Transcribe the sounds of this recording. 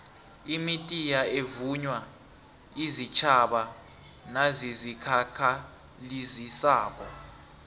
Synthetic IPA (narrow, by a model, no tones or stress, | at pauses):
imitʼijaevuɲwa | izit͡ʃʰaɓa | nazizikʰakʰa | lizisaːk̬ʼɔ